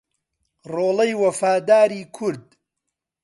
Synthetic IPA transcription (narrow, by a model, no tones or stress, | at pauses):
roːlˠɐjwɐfaːd̪aːɾiːkʰʊɾd̪